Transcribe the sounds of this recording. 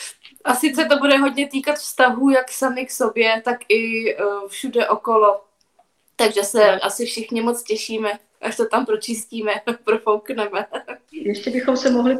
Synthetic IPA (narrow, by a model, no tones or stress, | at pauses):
ʔasɪt͡sɛt̪o̞budɛɦo̞dɲɛt̪iːkat̪fst̪aɦuːjaksamɪkso̞bjɛt̪akʔɪfʃudɛʔo̞kolo | t̪aɡʒɛsɛasɪfʃɪxɲɪmot͡scɛʃiːmɛ | ʔaʃsɛt̪ampɾot͡ʃɪsciːmɛpɾofowknɛmɛjɛʃcɛbɪxomsɛmoɦlɪ